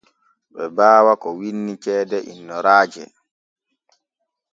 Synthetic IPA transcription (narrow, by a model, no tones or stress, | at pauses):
ɓɛbaːwakɔwinːit͡ʃɛːdɛʔḭnːɔɾaːd͡ʒɛ